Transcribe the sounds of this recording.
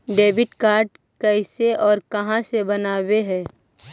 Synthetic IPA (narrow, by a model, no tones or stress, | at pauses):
ɖeːbɪʈkaːɾɖ | kɛɪseɔːɾkɐɦãsebɐnaːweɦɛː